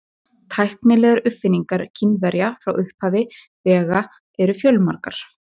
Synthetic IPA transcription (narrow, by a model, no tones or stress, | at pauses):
t̪ʰajhknɪlɛːɣaɾʏfɪniŋkaɾ̥cʰinvɛɾjafɾawʔʏhphaːvɪ | vɛːɣa | ɛɾʏfjœlmaɾkaɾ̥